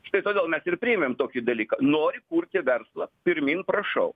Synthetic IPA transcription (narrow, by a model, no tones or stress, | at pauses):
ʃt̪ɐɪt̪oːdʲeːlˠmʲɛsɪrpʲɾʲiːɛmʲemt̪oːkʲid̪ɐlʲiːkɐnoːɾʲɪkuɾʲt̪ʲɪʋʲɛɾslˠɐpʲɪɾʲmʲiːnpɾɐʃɐʊ